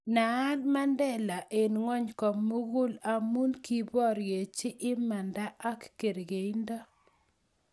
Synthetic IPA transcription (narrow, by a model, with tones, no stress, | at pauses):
na˨˦lma˦ndɛ˦la˨ʔe˨nŋwɔ˦ɲkɔ˨mːu˦ɡu˦la˨mu˦nki˨bɔ˦ɾje˨t͡ʃɪ˦ʔɪ˦ma˨nda˦ʔa˦kːe˨ɾɡe˨i˦ndɔ˦